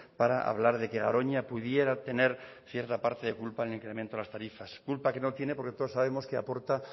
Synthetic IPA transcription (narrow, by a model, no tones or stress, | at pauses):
paɾaʔa̰β̞laɾðe̞keɣa̰ɾo̞ɲapuðje̞ɾat̪e̞ne̞ɾ | θje̞ɾt̪apaɾt̪eðe̞kulpaeliŋkɾe̞ment̪oelast̪aɾifaskulpake̞no̞t̪je̞ne̞po̞ɾke̞t̪oðosaβ̞e̞moskea̰po̞ɾt̪a